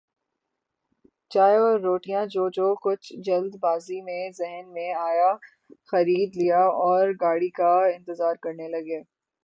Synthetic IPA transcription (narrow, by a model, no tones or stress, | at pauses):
t͡ʃaːeɔːɾːoːʈijãd͡ʒoːd͡ʒoːkʊt͡ʃʰd͡ʒɐld̪baːzimẽzɛɦnmẽaːja | xɐɾiːd̪lijaɔːɾɡaːɽikaɪ̃nt̪əzaːɾkɐɾnelɐɡeː